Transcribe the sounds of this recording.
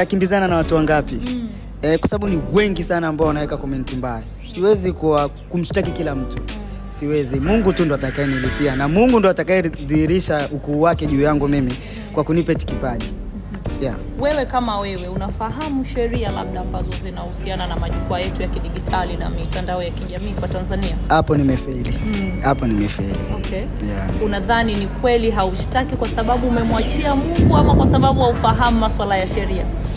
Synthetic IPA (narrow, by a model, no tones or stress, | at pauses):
akimbizananawatuwaŋɡapi | ɛkwasaɓaɓuniwɛŋɡisanaːmbaɔanawɛkakɔmɛn̩timbaja | siwɛzikuwa | kum̩ʃtakikilam̩tu | siwɛzimuŋɡutundɔatakaɛnilipianamuŋɡundɔatakaɛðihiɾiʃaukuːwakɛʄuːjaŋɡumimi | kwakunipɛti̥kipaʄi | ja | wɛwɛkamawɛwɛunafaɦamuʃɛɾiala̰ɓ̚ɗaːmbazɔzinahusiananamaʄukuajɛtujakiɗiʄitʰalina̰mitandaɔjakiʄamiːkwatanzaniahapɔnimɛfilihapɔnimɛfailiɔkɛ | jaunaðaninikwɛliɦauʃtakikwasaɓaɓuːmɛmwat͡ʃiamuŋɡuamakwasaɓaɓujaufaɦamumaswalajaʃɛɾia